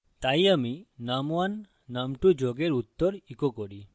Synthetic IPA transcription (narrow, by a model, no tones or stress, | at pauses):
t̪ajaminamwanː | amʈud͡ʒɔɡeɾut̪ːɔɾikɔkɔɽi